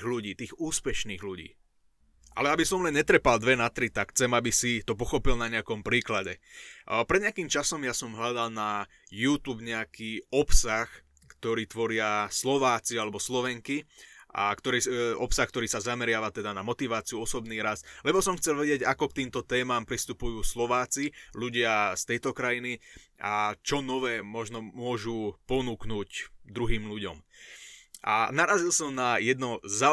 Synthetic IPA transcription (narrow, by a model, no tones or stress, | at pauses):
ɣluɟiːt̪iːɣuːspɛʃniːɣluɟḭː | ʔa̰lɛabisɔmlɛnɲɛt̪ɾɛpald̪ʋɛnat̪ɾit̪akxt͡sɛmabisit̪ɔp̬ɔxɔpilnaɲɛakɔmpɾiːklaɟɛpɾɛd̪ɲɛakiːmt͡ʃasɔmjasɔmɦʎad̪alna | juːt̪uːbɲɛakiːɔpsax | kt̪ɔɾiːt̪ʋɔɾɪaslɔʋaːt͡sialɛbɔslɔʋɛŋkia̰kt̪ɔɾɛɔpsaxkt̪ɔɾiːsazamɛɾɪaʋat̪ɛd̪anamɔt̪iʋaːt͡siuɔsɔbniːɾaslɛbɔsɔmxt͡sɛlʋɛɟɪɛɟakɔk̚t̪iːmt̪ɔt̪ɛːmaːmpɾist̪upujuːslɔʋaːt͡siluɟɪast̪ɛjt̪ɔkɾajiniʔat͡ʃɔnɔʋɛːmɔʒnɔmʊɔʒupɔnuːknuːcd̪ɾuɦiːmluɟɔ̰m | ʔa̰naɾazilsɔmnajɛd̪nɔza